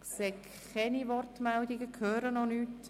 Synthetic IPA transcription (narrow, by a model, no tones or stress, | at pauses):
kseːk | χɛniʋɔrtmɛldɪɡəkʰøːɾənɔnyːt